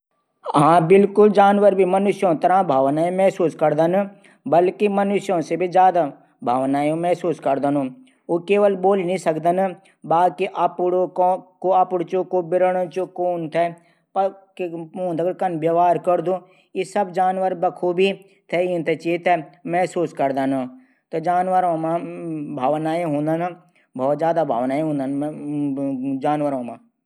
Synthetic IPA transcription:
ɦãːbɪlkʊld͡ʒaːnʋəɾbʱimənʊʃjõt̪ɐɾãːbʱaːʋnaːjõmɛɦsuːskəɾd̪ən | bəlkimənʊʃjõsebʱid͡ʒjaːd̪a | bʱaːʋnaːjõmɛɦsuːskəɾd̪ənõː | okeːʋəlboːlinĩsəkd̪ən | baːkiʔapɽokoapʊɽt͡ʃõkobɪɾəɽot͡ʃokoːnt̪ʰɛ | pkõːnd̪ɐɡəɽkɐnʋjəʋaːɾkəɾd̪ũː | isɐbd͡ʒaːnʋəɾbɐkʰubʱi | t̪ʰɛint̪et͡ʃit̪ɛmɛsuːskɐɾd̪anũ | t̪ɐd͡ʒaːnʋəɾõːmãbʱaːʋnaːẽɦũːnd̪ən | bʱɔːt̪zjaːd̪abʱaːʋnaːẽɦũnd̪ən | d͡ʒaːnʋəɾõːmãː

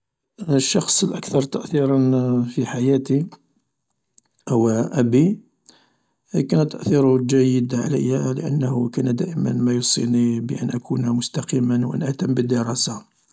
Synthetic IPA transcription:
əʃːɑxsˤəlʔækt̪ɑɾˤt̪əʔθiɾˤɑnfiħajæt̪i | hʊwæʔæbi | kænt̪ːəʔθiɾʊd͡ʒæjːəd̪ʕa̰lə̰jːælə̰ʔə̰nːhʊkænd̪æʔəmə̰nmæjusˤḭnibəʔə̰nʔækunmʊst̪ɑqimənwʔæ̰nʔæt̪əmːbəd̪ːəɾˤɑsa

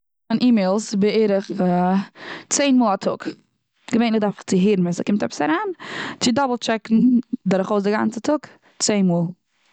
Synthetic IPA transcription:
anʔiːmeɪlˠsbɪeːɾəχ | t͡seɪnmuːlˠatʰʊk | ɡ̥əveɪnɪdaɾfχt͡sɪɦiɾn̩ɪsɛkɪmtɛpə̥saɾaːnt͡sɪdɔbl̩ˠt͡ʃɛkn̩dɔɾʊχoʊsdɪɡa̰nt͡sətʰʊk | t͡seɪnmuːlˠ

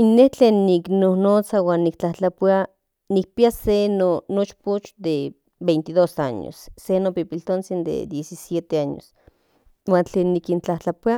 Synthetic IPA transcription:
inːeht͡ɬeːnːiknonot͡sawaːnːikt͡ɬaht͡ɬapia | nik̚piasenonot͡ʃput͡ʃd̪e | bejnt̪iðosaɲo̰sːenopipilt̪ont͡sind̪ḛd̪jesisjet̪eaɲo̰s | waːnt͡ɬeːnːikint͡ɬaht͡ɬapia

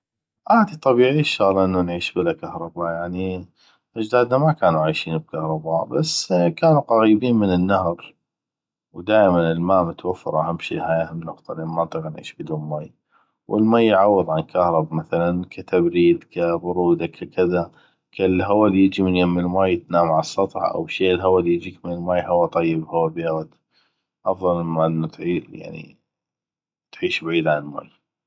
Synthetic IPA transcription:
ʔaːd̪it̪ˤɑbiːʕiːʃːɑɣlʔɪnːanʕiːʃbɪlakahɾˤɑbajaʕni | ʔad͡ʒd̪aːd̪namakaːnuʕajʃiːnb̚kahɾˤɑbaːbasːkaːnuqɑɣiːbiːnmənɪnːahɾ | wd̪aːʔmanɪlmaːmʊt̪wafːɑ̰ɾˤʔahamːʃḭːʔhajahamnʊqt̪ˤɑlɪnmɑnt̪ˤɣnʕḭːʃbəd̪uːlmaj | wʔɪlmaːjːʕawːɨðˤʕankʰahɾˤɑbamaθalankʰat̪abɾiːd̪kʰabʊɾuːd̪akʰakɪða | kalɦawaljɪd͡ʒimɪnjamɪlmaːjɪt̪naːmʕasˤːɑt̪ˤħɑ̰ʔa̰wʃeːʔlɦawaljɪd͡ʒiːkmɪnɪlmaːjɦawat̪ˤɑjːɪbhawːabeːɣat̪ | ʔɑfðˤɑlmaʔɪnːat̪ʕija̰ʕnḭ | t̪ʕiːʃbaʕiːd̪ʕanɪlma̰ːj

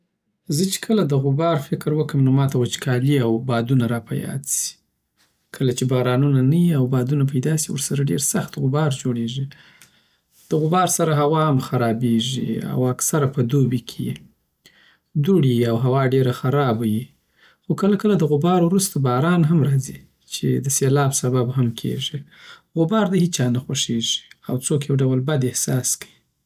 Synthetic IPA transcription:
zət͡ʃe̥kʰəlad̪əɣʊbɑɾfɪkɾwəkəmnomɑt̪awat͡ʃkʰɑliawbɑd̪unaɾɑpa̰jɑ̰si̥ | kʰəlat͡ʃebɑɾɑnunanajiawbɑd̪unap̬ajd̪ɑsiwə̰ɾsaɾaɖḛɾsaxt̪ɣʊbɑɾd͡ʒoɽeʐi | d̪̥əɣʊbɑɾsaɾaɦawɑhamxaɾɑbeʐḭa̰waksaɾapəd̪obikʰejḛ | d̪uɽiawɦawɑɖeɾaxaɾɑbaji | xokəlakəlad̪əɣʊbɑɾwɾust̪abɑɾɑnɦamɾɑzi | t͡ʃḛd̪əselɑbsababɦamkʰḛʐiɣʊbɑɾd̪ahit͡ʃɑnaxaʂeʐi̥awt͡sokjawɖawəlbad̪ɪhsɑskaji

